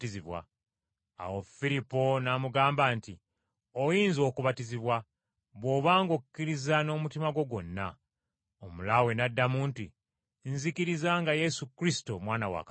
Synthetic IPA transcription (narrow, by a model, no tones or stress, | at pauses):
iziβwa̰ | a̰wo̞fiɾipo̞namuɡaːmbaːnti | ojiːnzo̞ːkuβatiziβwa | βwo̞βaːŋɡokukːiɾizano̞mutimaɡo̞ɡo̞nːa | omulawe̞nadːamuːnti | nzikiɾizaŋɡaje̞sukɾisi̥to̞mwaːnawa̰ka